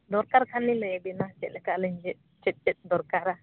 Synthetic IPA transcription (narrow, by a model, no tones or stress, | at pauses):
d̪ɔɾkaɾkʰanilɛbinat͡ʃɛʔlɛkaʔlɛɲd͡ʒɛ | t͡ʃɛt̪̚t͡ʃɛt̪̚d̪ɔɾkaɾa